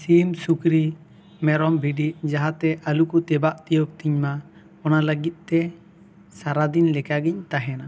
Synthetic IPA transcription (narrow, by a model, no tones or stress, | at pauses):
simsukɾi | mɛɾɔmbʱiɖiʔ̚d͡ʒaɦat̪ɛʔalukɔt̪ɛbaʔt̪ijop̚t̪iɲma | ɔnaləɡit̪̚ˀt̪ɛ | saɾad̪inlɛkaɡiɲt̪aɦɛna